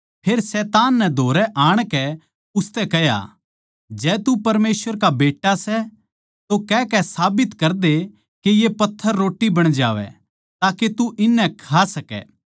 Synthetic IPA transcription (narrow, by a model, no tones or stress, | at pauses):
pʰeːɾsɛːt̪aːnːɛ̃d̪ʱoːɾɛʔaːɽ̃kɛ | ʊst̪ɛkɐja̰ | d͡ʒɛːt̪upɐɾmeːsʋəɾkabeːʈːasɛ | t̪okɛːkɛsaːbɪt̪kɐɾd̪e | kejepɐt̪ʰːəɾːoːʈːibɐɽ̃d͡ʒa̰ːʋɛ̰ | t̪aːket̪uʔɪnːɛkʰasɐkɛ̰ː